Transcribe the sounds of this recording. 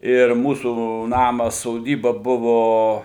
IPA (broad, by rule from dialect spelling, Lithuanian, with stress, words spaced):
ɪr ˈmuːsuː ˈnɑːmɐs soːˈdʲiːbɐ ˈbʊʋoː